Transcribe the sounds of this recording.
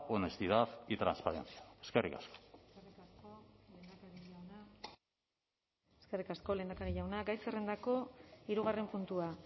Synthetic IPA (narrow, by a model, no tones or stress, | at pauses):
onest̪iðaðit̪ɾanspaɾḛnt͡siaeskerʔikasko̥serikaskole̞nd̪akaɾiʎawna | eske̞rikasko̞le̞ːnd̪akaɾiʎawnaɡajsere̞nd̪ako̞iɾuɣare̞mpunt̪ua